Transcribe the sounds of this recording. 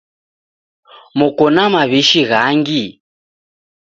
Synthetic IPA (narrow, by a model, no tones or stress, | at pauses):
mɔkɔnamaβiʃiɣaŋɡi